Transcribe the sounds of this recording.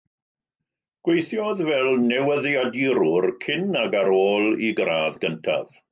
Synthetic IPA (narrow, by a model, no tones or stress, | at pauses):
ɡ̥wejθjɔðvɛlˠnɛwəðjadiɾʊrkʰɪnaɡaɾoːlˠiɡraːðɡəntʰa̰v̥